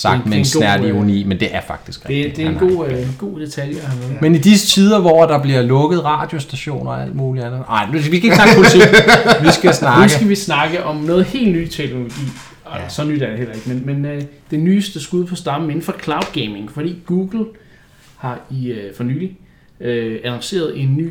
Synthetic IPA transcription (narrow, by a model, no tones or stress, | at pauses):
sɑ̈ɡd̥mesnæɐ̰liunḭːmend̥e̝ʔæɐfɑ̈ɡ̥d̥isɡ̥ʁɛeid̥e̝enɡ̥o̝̰ːɡ̥o̝̰ːd̥e̝t͡sʰæljɑhɑʋɛːð̩ˠmenid̥isət͡sʰiːð̞ˠɐʋɒ̰æd̥ɑ̈b̥liɐlɔ̽ɡ̥ð̞̩ˠʁɑ̰̈ːd̥jo̝sd̥æɕo̝̰ːnɒæl̰d̥muːliænð̩ˠɑ̈ɪ̰nusʋiskæeɡsnɑ̈ɡ̥pʰolt͡sʰḭʋisɡ̥æsnɑ̈nusɡ̥æʋisnɑ̈ɡ̥əʔɒ̽mnɔ̽ːðˠhe̝̰ːldnyːt͡sʰeɡ̥no̝lo̝ɡ̥ḭː | sɒ̽nyd̥æɐɾ̥e̝hel̰ɐe̝ɡ̥əmenmenød̥e̝nyːsd̥əsɡ̥uðˠpʰɒ̽sd̥ɑ̈me̝n̩fɒ̽kʰlɑ̈ʊd̥ɡ̥eɪme̝ŋfɒd̥ḭːɡ̥uːɡ̥l̩ | hɑ̈ifɒ̽ny̰ːli | øænɒŋse̝̰ːɐð̞ˠe̝nːy̰ː